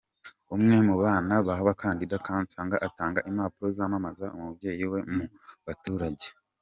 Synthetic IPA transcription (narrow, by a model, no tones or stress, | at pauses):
umŋe̞muβaːnaβaɦaβakaːndidakaːnt͡saŋɡaʔataːŋɡaʔimaːpuɾo̞zaːmamazaʔumubɟe̞ːjiwe̞mu | βatuːɾaɟe